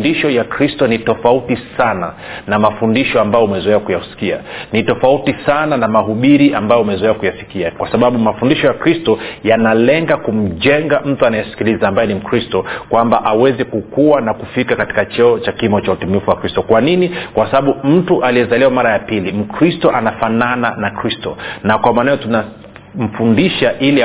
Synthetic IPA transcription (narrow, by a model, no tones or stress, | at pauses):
ndiʃɔjakɾistɔnitɔfautisana | namafundiʃɔambajɔumɛzɔɛwakujausi̥kia̰nitɔfautisananamaɦuɓiɾiʔambajɔumɛzɔɛwakujafi̥kiakwasaɓaɓumafundiʃɔjakɾistɔjanalɛŋɡakum̩ʄɛŋɡam̩tuanajasi̥kilizaːmbajɛnim̩kɾistɔkwambaʔawɛzɛkukuwanakufikakati̥kat͡ʃɔɔt͡ʃakimɔt͡ʃautumifuwakɾistɔkwaninikwasaɓaɓum̩tuʔaliɛzalɛwamaɾajapilim̩kɾistɔʔanafanananakɾistɔ̰nakwamaːnajɔtuna | m̩fundiʃaʔili